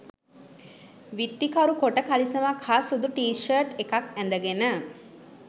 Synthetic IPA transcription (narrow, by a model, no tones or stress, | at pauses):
ʋit̪ːikaɾukoʈəkalisəmakʰasud̪uʈiːʃəɾʈekakɛnd̪əɡenə